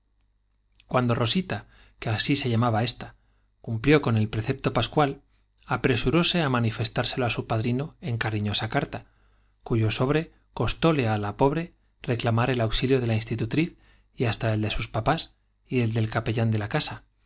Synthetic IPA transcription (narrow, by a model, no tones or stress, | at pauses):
kwand̪o̞ro̞sit̪a | keasise̞ʎamaβae̞st̪a | kumpljo̞ko̞ne̞lpɾe̞θe̞p̚t̪o̞paskwal | apɾe̞suɾo̞se̞amãnife̞st̪aɾse̞loasupaðɾino̞e̞ŋkaɾiɲo̞sakaɾt̪a | kuʝo̞so̞β̞ɾe̞ | ko̞st̪o̞le̞alapo̞β̞ɾe̞ | re̞klamaɾe̞lawksiljo̞ð̞e̞lainst̪it̪ut̪ɾiθ | iast̪ae̞ld̪e̞suspapas | ie̞ld̪e̞lkape̞ʝand̪e̞lakasa